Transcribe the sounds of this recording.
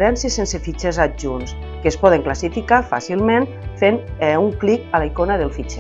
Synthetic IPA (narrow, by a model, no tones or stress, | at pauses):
ɾɛnsiəsensefit͡ʃezaʒuns | keːspɔð̞əŋklasifikafa̰silˠmen | fenuŋklikalaikonəðelˠfit͡ʃɛ